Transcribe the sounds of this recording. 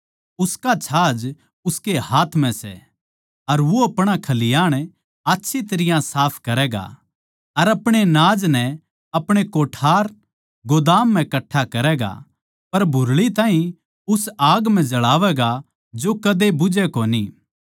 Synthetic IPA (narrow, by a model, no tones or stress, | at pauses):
ʊskat͡ʃʰaːd͡ʒ | ʊskehaːt̪ʰmɛ̃sɛ̰ | ɐɾʋoɐpɽ̃akʰɐlɪjaːɽ̃ | aːtːʃʰit̪ɐɾɪjãsaːpʰkɐɾɛːɡa̰ | ɐɾɐpɽ̃enaːd͡ʒnɛ | ɐpɽ̃ekoːʈʰaːɾ | ɡod̪aːmːɛ̃kɐʈʰːakɐɾɛːɡa̰ | pɐɾbʱʊɾɭit̪ãːɦĩ | ʊsaːɡm̤ɛ̃d͡ʒɐɭaːʋɛɡa | d͡ʒokɐd̪ebʊd͡ʒɛkoːniː